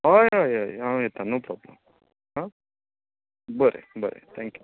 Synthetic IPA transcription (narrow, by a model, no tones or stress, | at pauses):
ajaːjajãɛt̪ːãnoːpɾɔːblɐ̃m | hã | bɐɾḛbɐɾḛt̪ʰæːŋkju